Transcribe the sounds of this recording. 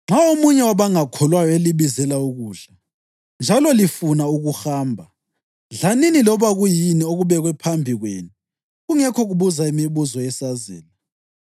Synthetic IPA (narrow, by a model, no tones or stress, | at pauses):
ŋ͡ǁaomuɲɛwaβaŋakʰɔlwajɔeliβizɛlauɣuːɮa | nd͡ʒʱalɔlifunauɣuxaːmbʱa | ɮaninilɔβaɣujinioɣuβɛɣwɛpʰambʱiɣwḛːni | ɣuŋɛkʰɔɣuβuzaimiβuzɔjɛsazɛ̰ːla